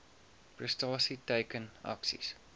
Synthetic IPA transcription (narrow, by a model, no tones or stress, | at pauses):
pɹəstɑːsiteɪkə̃næ̰ksḭs